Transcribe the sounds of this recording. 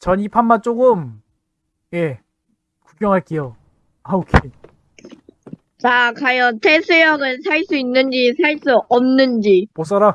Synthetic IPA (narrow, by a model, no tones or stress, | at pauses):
t͡ɕʌnipʰanmant͡ɕ͈oɡɯm | je̞ | ku̥k͈jʌŋɦaɭk͈ejo | aokʰe | t͡ɕakajʌtʰesʰɯjʌɡɯnsʰaɭs͈uinːɯnd͡ʑisʰaɭs͈uʔʌmnɯnd͡ʑipos͈ʌɾa